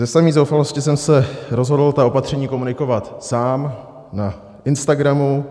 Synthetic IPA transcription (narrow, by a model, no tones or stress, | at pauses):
zɛsamiːzowfalo̞scɪsɛmsɛɾo̞zɦo̞dl̩t̪ao̞pat̪r̝̥ɛɲiːko̞munɪko̞vat̪saːm | na | ʔɪnst̪aɡɾamu